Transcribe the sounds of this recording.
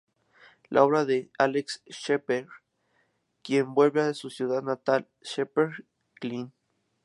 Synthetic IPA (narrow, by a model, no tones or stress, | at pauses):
lʔa̰oβɾaðealeksʃepeɾ | kjembwelβeaðesusjuðaðnat̪al | ʃepeɾ | klin